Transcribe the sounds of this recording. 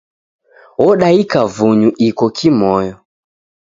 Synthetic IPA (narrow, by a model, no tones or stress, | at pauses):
wɔɗaikavuɲuʔikɔkʰimɔjɔ